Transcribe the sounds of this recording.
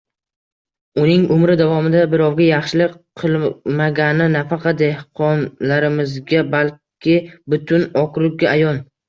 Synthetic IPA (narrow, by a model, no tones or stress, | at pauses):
ʊnɪŋʊmɾɪd̪avɒmɪd̪abɪɾɒwɡʲajɑχʃɪlɪkqʰɨlˠmaɡʲanɪnafɑqʰɑt̪̚d̪e̞hqʰɒnlaɾɪmɪzɡʲabalkʲʰɪbʊt̪ʰʊnɒkʰɾʊk̚ɡʲaajɒn